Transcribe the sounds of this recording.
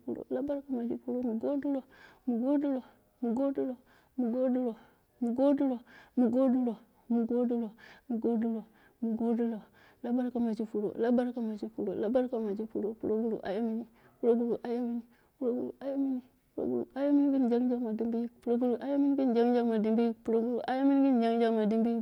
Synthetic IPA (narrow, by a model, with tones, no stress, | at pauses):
pṵ˦lo̰˨la˦ba˦ɾka˨ma˨d͡ʒḭ˦pu˦ɾo˦mu˨ɡo˦du˦lo˨ | mu˨ɡo˦du˦lo˨ | mu˨ɡo˦du˦lo˨ | mu˨ɡo˦du˦lo˨ | mu˨ɡo˦du˦lo˨mu˨ɡo˦du˦lo˨ | mu˨ɡo˦du˦lo˨mu˨ɡo˦du˦lo˨ | mu˨ɡo˦du˦lo˨ | la˦ba˦ɾka˦ma˨t͡ʃi˦fu˨ɾo̰˨la˦ba˦ɾka˦ma˨t͡ʃi˦fu˨ɾo̰˨la˦ba˦ɾka˦ma˨d͡ʒi˦fu˨ɾo˦pu˨lo˦ɡu˦lṵ˨ʔa̰˦ja˦mi˦ni˦ | pu˦ɾo˦ɡu˦lu˨ʔa˦ja˦mi˦ni˦ | pu˦lo˦ɡṵ˦lṵ˨a˦ja˦mi˦ni˦ | pu˦lo̰˦ɡṵ˦˨lṵ˨a˦ja˦mi˦ni˦ɡi˦n˨d͡ʒa˦ɡd͡ʒa˦ɡma˨di˦mbi˦pu˨lo˦ɡu˦lu˨ʔa˦ja˦mi˦n˦ɡi˦n˨d͡ʒa˦ŋ˦d͡ʒa˦ma˨di˦mbi˦pu˨lo˦ɡu˦ɾu˨ʔa˦ja˦mi˦n˦ɡi˦n˨d͡ʒa˦ŋ˦d͡ʒa˦ɡma˨di˦mbi˦